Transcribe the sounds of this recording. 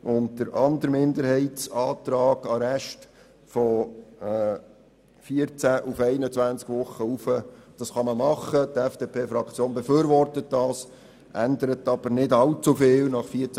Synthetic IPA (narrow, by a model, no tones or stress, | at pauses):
ʔʊntd̥əɾʔɑndəɾmɪndəɾhɛɪtt͡sɑːt̪ɾɑːɡ̥ɑɾɛʃt | fɔ | fiəɾt͡sæʔufɛɪnət͡sʋænt͡skʋʊχːəufəd̥ɑsχɑməmɑχətɛfd̥epʰeːfɾɑkʰt͡sjoːnbɛfyːɾʋɔrtət̚dɑːs | ʔændəɾət̪ɑb̥əɾnɪdɑlt͡sufɪːlnɑχfiəɾt͡s